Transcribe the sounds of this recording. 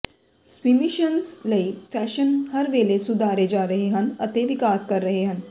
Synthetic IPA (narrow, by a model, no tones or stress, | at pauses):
swiːmɪʃənslɐifʰɛːʃənhɐɾʋeːlesʊd̪ʱaːɾed͡ʒaːɾɐɦeɦɐ̃nɐt̪eʋɪkaːskɐɾːɐɦeɦɐ̃n